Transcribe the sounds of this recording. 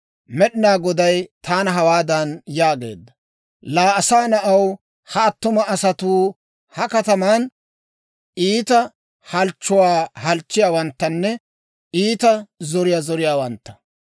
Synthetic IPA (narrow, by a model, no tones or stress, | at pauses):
mɛɗɪnaːɡɔd̪ɐjt̪aːnɐɦɐwaːd̪ɐnjaːɡe̞̰ːd̪ːɐ | laːɐsaːnɐʔɐw | hɐːt̪ːʊmɐːsɐt̪uː | hɐkɐt̪ɐmaːn | iːt̪ɐ | hɐlt͡ʃːʊwaːhɐlt͡ʃːɪjaːwɐnt̪ːɐnːɛ | iːt̪ɐzɔɾɪjaːzɔɾɪjaːwɐnt̪ːɐ̥